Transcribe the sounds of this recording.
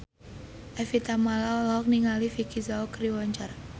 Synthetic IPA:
ʔɛfit̪amalaɔlɔɦɔk̚niŋalifikizaɔkɾiwaɲt͡ʃar

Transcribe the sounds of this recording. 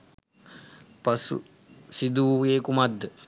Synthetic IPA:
pɐsṵ | sid̪uʋjeːkumad̪ːə

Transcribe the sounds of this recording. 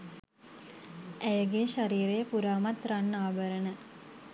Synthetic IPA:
æjəɡeʃaɾiːɾejəpuɾaːmat̪ranːaːbəɾənə

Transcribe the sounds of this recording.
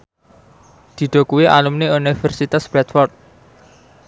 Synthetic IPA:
d̪̥i̤ɖ̪̥o̤kuwiʔa̰lumneunifərsit̪asb̥ɛt̪fɔrt̪̚

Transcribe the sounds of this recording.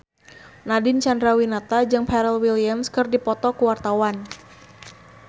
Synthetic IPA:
nadɪnt͡ʃandɾawinat̪ad͡ʒɨŋpɛɾɛlwilijamskɨrdipɔt̪ɔkuwart̪awan

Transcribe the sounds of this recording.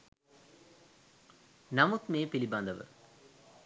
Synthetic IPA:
nɐmut̪meːpilibaːnd̪ɐʋə̰

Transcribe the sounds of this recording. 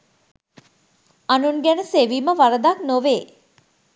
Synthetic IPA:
anunɡænəseʋiːməʋaɾəd̪aknoʋeː

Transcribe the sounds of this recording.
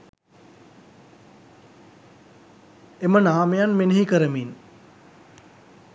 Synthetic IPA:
emənaːmejanmeneɦikəɾəmin

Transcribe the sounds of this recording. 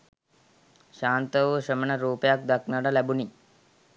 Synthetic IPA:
ʃaːnt̪əʋəɕəmənəɾuːpejak̚d̪aknaɖalæbuni

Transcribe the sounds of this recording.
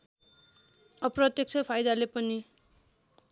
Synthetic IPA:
ʌprʌt̪jʌk̚t͡sʰʌpʰajd̪alepʌni

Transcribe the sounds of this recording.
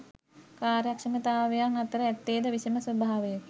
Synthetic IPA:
kaːɾjakʂəmət̪aːʋejaŋat̪əɾəɛt̪ːeːd̪əʋisiməsɐbaɦaʋejək

